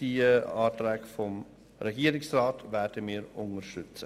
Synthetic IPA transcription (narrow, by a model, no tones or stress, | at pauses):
d̥iəɑːtɾɛːɡfɔm | ɾɛɡiːəɾɪksraːtvɛːdəmiːɾʊŋəʃtʏt͡sə